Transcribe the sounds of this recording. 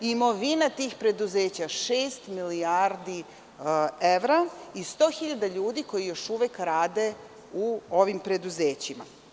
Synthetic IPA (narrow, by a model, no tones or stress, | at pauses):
imo̞ʋinat̪iːxpɾe̞d̪uzeːt͡ɕaʃeːst̪miliaɾd̪i | eʋɾaist̪oːxiʎad̪aʎuːd̪iko̞jijo̞ʃuʋekɾaːd̪e̞ | uoʋimpɾe̞d̪uzeːt͡ɕima̰